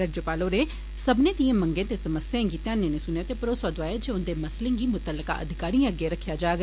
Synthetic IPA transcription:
əɡd͡ʒəpaːloːneː | səbnẽːt̪iẽːməŋɡẽːt̪eːsəməsjãɡiːt̪eãnẽːnesʊnjaːt̪eːpəɾoːsaːd̪ʊaːed͡ʒeʊnd̪eːməslẽːɡiːmʊt̪əlːəka̰ːʔə̰d̪ʱɪkaːɾĩəɡeːɾəkʰːjaːd͡ʒaːɡ

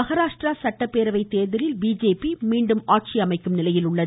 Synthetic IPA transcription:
ɐɣɐɾaːʂʈraːsɐʈːɐpːeːɾɐʋɐɪt̪eːɾðɪɾɪlbiːd͡ʒeːpimiːɳɖɯmaːʈ̚t͡ʃiɐmɐɪkːɯmnɪlɐjɪlʊɭːɐ

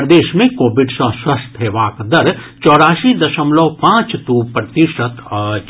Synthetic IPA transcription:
d̪eːʃmẽkoːbɪɖsɐ̃swɐst̪ʰɦeːʋaːkd̪ɐɾ | t͡ʃɔːɾaːsid̪ɐʃəmlɔːpãːt͡ʃt̪upɾət̪iʃət̪

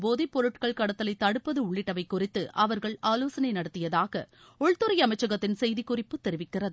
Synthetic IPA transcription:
boːðipɔɾɯʈkɐɭkɐɽɐt̪ːɐlɐɪt̪ːɐɽɯpːɐðɯʊɭːɪʈːɐʋɐɪkːʊrɪt̪ːɯʔɐʋɐɾɣɐɭaːloːsɐnɐɪnɐɽɐt̪ːɪjɐðaːɣɐ̰ | ɔɭt̪ːɯɾɐɪjɐmɐɪt͡ʃːɐɣɐt̪ːɪnsɛjðɪkːʊrɪpːɯt̪ːɛɾɪʋɪkːɪrɐðɯ

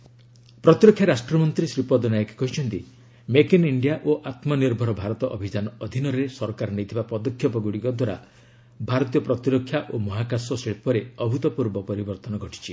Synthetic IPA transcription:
pɾɔt̪iɾɔkʰjaɾasʈɾɔmɔnt̪ɾisɾipɔd̪ɔnajɔke̥kɔɦit͡ʃʰɔnt̪i | mekiniɳɖijaʔoʔat̪mɔniɾbʱɔɾɔbʱaɾɔt̪ɔʔɔbʱid͡ʒanɔɔd̪ʱinɔɾesɔɾkaɾɔnejt̪ʰibapɔd̪ɔkʰjɔpɔɡuɽikɔd̪waɾa̰ | bʱaɾɔt̪ijɔpɾɔt̪iɾɔkʰːjaʔomɔɦakasɔseɭpɔɾeɔbʱut̪ɔpuɾbɔpɔɾibɔɾt̪ɔnɔɡʱɔʈʰi̥t͡ʃʰi

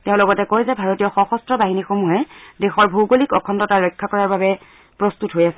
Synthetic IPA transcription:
teʊ̃lɔɡɔtɛkojzɛbʱaɹotijɔxɔxɔstɹɔbaɦinixomuɦɛdexɔɹbʱowɡolikɔkʰɔntɔtaɹɔjkʰːakɔɹaɹbabɛ | pɹɔstutɦojasɛ

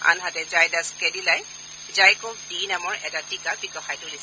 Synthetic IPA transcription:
a̰nɦatɛzajdaskɛdilaj | zajkodinamɔɹʔɛtatikabikɔxajtʊli

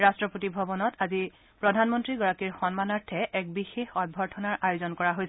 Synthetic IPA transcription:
ɹastɹɔpotibʱɔbɔnɔtazi | pɹɔdʱanmɔntɹiɡɔɹakiɹxɔnmanaɹtʰɛʔɛk̚bixexɔd̚bʱɔɹtʰɔnaɹʔajozɔnkɔɹaɦojs

